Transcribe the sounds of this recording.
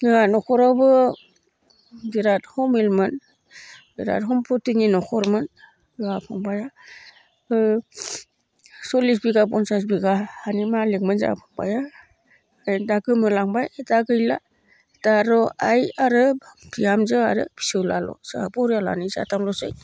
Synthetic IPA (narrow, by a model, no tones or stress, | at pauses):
nɯanɔkʰɔɾawbɯ | ɡiɾat̚hɔmilmɯn | diɾa̰t̚ɦɔmpʰɔtiŋninɔkʰɔɾmɯn | ɯapʰɔŋbaja | ɯ | sɔlis̬biɡabɔnsas̬biɡaanimalek̚mɯnza̰a̰pʰɔŋba̰ja | jdaɡɯmɯlaŋbajdaɡɯjla̰ | taɾɔajaɾɯbʰijamzɯa̰ɾɯ̰b̥isɯwlalɔ̰saabɔɾala̰nisa̰tʰamlɔsɯ̰j